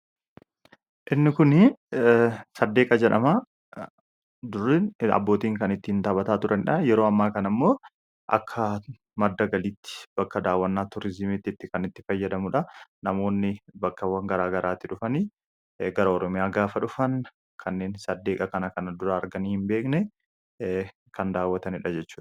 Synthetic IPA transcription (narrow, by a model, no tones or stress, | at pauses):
ʔɪnːɪkʊn | sɐd̪ːe̞ːkʼɐd͡ʒɛᶑɐma | d̪ʊrɪɐ̰bːo̞ːt̪iːŋkɐnɪt̪ːɪhɪnt̪aːbɐt̪aːt̪ʊɾʔɐnɪᶑɐjɛɾoːɐmːaːkɐnɐmːo̞ː | ʔɐ̰kʰːɐ | mɐd̪ːɐɡɐliːt̪ːɪ̥b̥ɐkːɐd̪aːwːɐnːaːt̪ʊɾɪzɪmit̪ːɪt̪ːɪkɐnɪt̪ːɪfɐjːɐd̪ɐmʊᶑɐnɐmo̞ːnːɪbɐkːɐwɐŋɡɐɾaːɡɐɾaːt̪ːɪᶑʊfɐni | ɡɐɾɐɔɾɔmɪjaːɡaːfɐᶑʊfɐn | kʰɐnːe̞ːnsɐd̪ːe̞ːkʼɐkɐnɐkɐnɐd̪ʊɾɐːɾɡɐniːhɪmbe̞ːknɛ | kɐnd̪aːwːɐt̪ɐnɪᶑɐd͡ʒɛt͡ʃːuːᶑɐ̥